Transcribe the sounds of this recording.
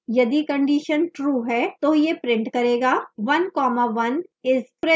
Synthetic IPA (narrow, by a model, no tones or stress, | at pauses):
jɐd̪ikɐ̃ɳɖiːʃənʈɾuːɦɛːt̪oːjepɾɪ̃ɳʈkɐɾeːɡaːʋɐnkɔːmaʋɐnɪsɾe